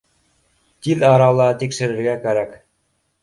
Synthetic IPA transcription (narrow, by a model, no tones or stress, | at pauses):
t̪iðɑɾɑlˠɑt̪ikʃɘ̆ɾɘ̆ɾɡækæɾæk